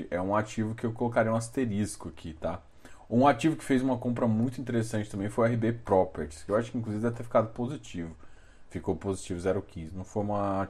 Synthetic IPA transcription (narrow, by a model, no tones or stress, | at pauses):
ɪʔɛũaɾt͡ʃivʊkɪewkolokaɾiɐũast̪eɾiskʊakʰit̪a | ũaɾt͡ʃivʊkɪ̥fejzũmɐkõmpɾɐmũj̃t̪ʊĩt̪̬eɾesɐ̃nt͡ʃɪt̪ɐ̃mbẽj̃fojʊɛɦibepɾɔpeɾt͡ʃɪ̥skɪewaʃʊ̥kɪĩkluzivɪd̪ɛvɪt̪efikad̪ʊpozit͡ʃivʊ | fikowpozit͡ʃivʊzɛɾʊkĩzɪnɐ̃w̃fojũmɐa